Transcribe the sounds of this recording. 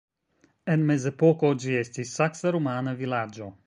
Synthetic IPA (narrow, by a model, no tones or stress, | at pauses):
ɛnmɛzɛpokɔd͡ʒiɛsʲt̪isaksɐɾomaːnɐvilad͡ʒo